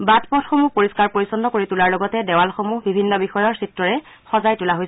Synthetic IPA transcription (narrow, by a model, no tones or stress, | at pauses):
batpɔtxomupoɹiskaɹpoɹisɔndɔkoɹitulaɹlɔɡɔtɛdɛwalxomuɦbʱibʱinːɔbixɔjɔɹsitɹɔɹɛ | xɔzajtulaɦojsɛ